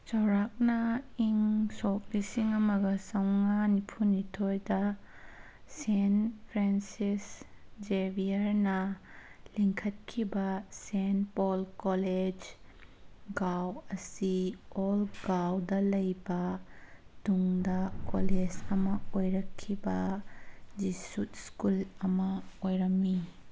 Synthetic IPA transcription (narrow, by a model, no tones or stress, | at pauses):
t͡ʃɐwɾak̚nɐiŋsok̚lisiŋɐmɐɡɐsɐwŋanipʰunitʰojdɐ | senpʰɾensisd͡ʒebijɐɾnɐ | liŋkʰɐt̚kʰibɐsenpolkoled͡ʒ | ɡawɐsiolɡawdɐlɐjbɐ | d̥uŋdɐkoled͡ʒɐmɐojɾɐkʰːibɐ | d͡ʒisutskulɐmɐojɾɐmːi